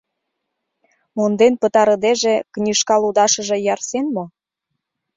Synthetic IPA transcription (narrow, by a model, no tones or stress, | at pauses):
mond̪enpə̆t̪ɑɾɤ̆d̪eʒĕknʲiʃkɑlud̪ɑʃɤ̆ʒĕjɑrsenmo